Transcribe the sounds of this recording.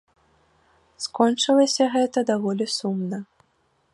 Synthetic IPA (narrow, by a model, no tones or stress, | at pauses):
skɔnt͡ʂɨlˠɐsʲɐɣɛt̪ɐd̪avɔlʲisumnɐ